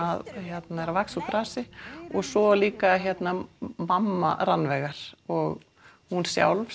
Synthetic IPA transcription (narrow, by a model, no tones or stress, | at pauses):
aðhjɛt̪naɛɾavaksup̪ɾaːsɪɔɣsɔliːkaçjɛt̪namamːa̰ɾanːvɛɣaɾ̥ɔɣ | hunsja̰wlv